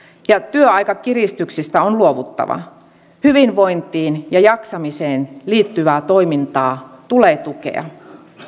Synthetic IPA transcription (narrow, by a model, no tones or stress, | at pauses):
jɑt̪yøɑjkɑkirist̪yksist̪æonluoʋut̪ːɑ̰ʋɑ̰ | hyʋinʋo̞jnt̪iːnjɑjɑksɑmiseːnliːt̪ːyʋæːt̪o̞imint̪ɑːt̪uleːt̪ukḛɑ̰